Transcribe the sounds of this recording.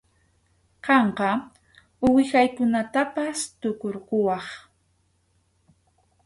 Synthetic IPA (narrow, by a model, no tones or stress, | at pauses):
qɑɴqɑ | ʊwɪxajkʊnat̪apast̪ʊkoɾqʊwɑχ